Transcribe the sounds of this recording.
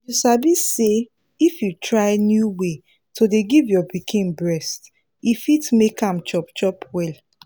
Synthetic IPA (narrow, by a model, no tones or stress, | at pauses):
jusabise | ifjutɹaɪnjuwe | tʰodeɡivjɔbikʰĩnbɹɛst | ifitmekãmt͡ʃɔpt͡ʃɔpʰwɛl